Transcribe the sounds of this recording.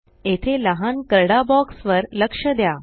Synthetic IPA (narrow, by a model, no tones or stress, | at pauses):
et̪ʰeləɦankəɾɽabɔksʋəɾləkʂəd̪ja